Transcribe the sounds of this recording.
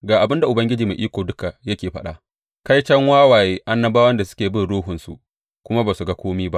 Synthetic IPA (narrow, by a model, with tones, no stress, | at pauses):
ɡaː˨ʔa˨bɪ˦nda˨ʔʊ˨bɐ˦ŋɡʲɪ˦d͡ʒiː˨meː˨ʔiː˦kʷoː˨dʊ˦ka˨jɐ˦kʲeː˨ɸɐ̰˦ɗa̰˨ | ka˦jt͡ʃɐ˦ŋwaː˦waː˨jeː˦ʔa˦nːɐ˦baː˦wɐ˦nda˨sʊ̥˦kʲeː˨bɪ˦nɽoː˦ɦʊ˨nsṵ˨ʔ | kʷʊ˦ma˦baː˨su˨ɡa˦kʷoː˦miː˦ba˦ʔ